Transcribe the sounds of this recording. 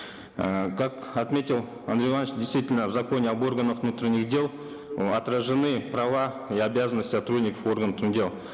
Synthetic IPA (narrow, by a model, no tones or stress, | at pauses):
əkakat̪mʲe̞t̪ʲɪlˠ | a̰nd̪ɾʲɪanət͡ʃd̪ʲɪjst̪vʲitʲɪlʲnəvzako̞nʲeabo̞rɡənəfvnut̪ɾʲɪnʲːɪχdʲe̞lˠ | at̪rəʐɨnɨprava | iabʲazənːəsʲt̪ʲsat̪ɾud̪ʲnʲɪkəfo̞rɡənt̪ʰʊnd̪ʲelˠ